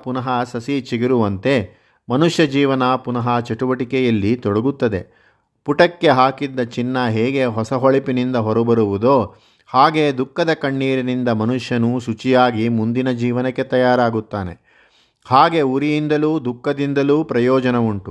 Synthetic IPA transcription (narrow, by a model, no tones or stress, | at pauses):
punɐɦɐsɐsit͡ʃiɡiɾuʋɐnt̪e̞ | mɐnuʂjɐd͡ʒiːʋɐnaːpunɐɦɐt͡ʃɐʈuʋɐʈikɛjɐlːit̪ɔɽɐɡut̪ːɐd̪e̞̰ | puʈɐkːe̞ɦaːkid̪ːɐt͡ʃinːɐɦɛːɡe̞ɦɔsɐɦɔɭipinind̪ɐɦɔɾubɐɾuʋud̪o̞ː | haːɡe̞ːd̪ukːɐd̪ɐkɐɳːiːɾinind̪ɐmɐnuʂjɐnuʃut͡ʃijaːɡimund̪inɐd͡ʒiːʋɐnɐkːe̞t̪ɐjaːɾaːɡut̪ːaːne̞̰ | haːɡe̞uɾijind̪ɐluːd̪ukːɐd̪ind̪ɐluːpɾɐjɔːd͡ʒɐnɐuɳʈu